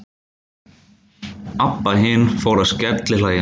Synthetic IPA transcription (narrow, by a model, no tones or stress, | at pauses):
apːaɦɪnfoːwɾaðscɛt̪lɪlaːɣjɪ